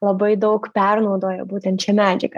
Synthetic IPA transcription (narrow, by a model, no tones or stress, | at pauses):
lˠɐbɐɪd̪oʊkpʲærnuːd̪oːjɐ̰buːt̪ʲɛnt̪ʃʲɛmæd͡ʒʲɪ̰k